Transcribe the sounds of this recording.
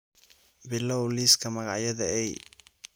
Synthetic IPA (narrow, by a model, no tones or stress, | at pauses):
bɪlɔwliːskʰɐmɐɣɑʕjɐðɐɛj